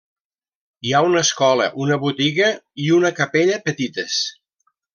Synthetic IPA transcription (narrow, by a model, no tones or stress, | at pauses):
iaunəskɔlə̰ʔunəβut̪iɣəiunəkəpeʎəpət̪it̪əs